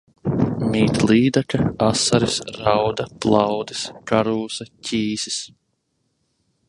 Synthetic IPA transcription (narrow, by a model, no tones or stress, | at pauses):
miːt̪lˠiːd̪akaasaɾisɾawd̪aplˠɑwd̪iskaɾuːsacʲiːsi̥s